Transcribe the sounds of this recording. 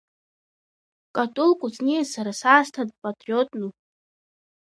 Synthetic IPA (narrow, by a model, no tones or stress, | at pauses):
kʼatʼulkʼʊt͡sʼnisaɾasaːstʰadʼpʼatʼriotʼnu